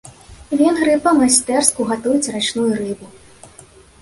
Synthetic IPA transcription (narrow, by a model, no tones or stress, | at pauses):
vʲɛnɣɾɨpɐmasʲt̪ɛrskuɣat̪ujut͡sʲrat͡ʂnujurɨbu